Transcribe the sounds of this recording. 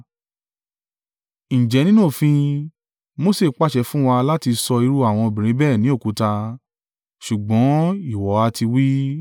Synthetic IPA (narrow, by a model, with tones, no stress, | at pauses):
ñ̩˨d͡ʒɛ˨˦nĩ˦nũ˦˨fĩ˧ | mo˦se˦˨˦k͡pa˦˨ʃɛ˨˦fũ˦wa˧la˦ti˧sɔ˧i˧ɾu˦a˨w̃ɔ̃˧o˧bĩ˨ɾ̃ĩ˨˦bɛː˦˨nĩ˨˦o˦˨ku˨˦ta˧ | ʃu˨ɡ͡bɔ̃˨˦i˦˨wɔ˨˦a˧ti˧wi˦